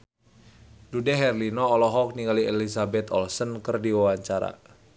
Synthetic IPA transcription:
dudɛɦɛrlinɔːlɔɦɔk̚niŋɡaliɛlisabɛt̪ɔ̰lsənkərdiwawaɲt͡ʃaɾa̰

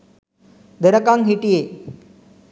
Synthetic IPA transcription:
d̪eɾɐkaːŋɦiʈːijeː

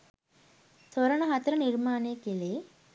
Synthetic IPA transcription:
t̪ʰoɾɐɳɐɦɐt̪ɾɐniɾmaːneːkile

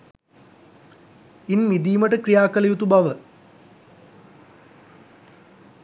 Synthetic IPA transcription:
inmid̪iːmɐʈɨkɾijaːkɐlɐjut̪ubɐʋə

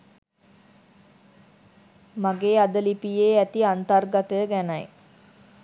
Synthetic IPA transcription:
maɡeːad̪əlipijeːæt̪iant̪ərɡat̪əjəɡænaj

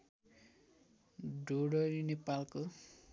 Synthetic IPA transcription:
ɖʱoɽʌɾinepalko

